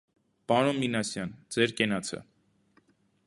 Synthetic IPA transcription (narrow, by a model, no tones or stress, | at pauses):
pɑɾɔnminɑsjɑnd͡zɛɾkɛnɑt͡sʰə̰